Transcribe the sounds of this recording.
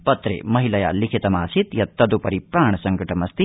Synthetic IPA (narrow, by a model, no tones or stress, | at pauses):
pɐt̪ɾḛːmɐɦilɐja̰likʰit̪ɐmaːsit̪jɐt̪ːɐd̪upɐɾipɾaːɳɐsɐŋɡɐʈɐmɐst̪i